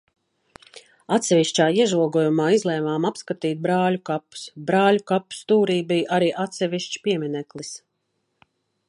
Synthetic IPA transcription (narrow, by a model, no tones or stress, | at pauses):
at̪sɛvʲiʃt͡ʃaːiɛʒuɔɡuːjumaːizlˠɛːmaːmapskat̪iːt̪̚bɾaːlʲukapu̥sbɾaːlʲukapu̥st̪uːɾiːbijʔaɾiːʔat̪sɛviʃt͡ʃi̥piɛminɛklˠis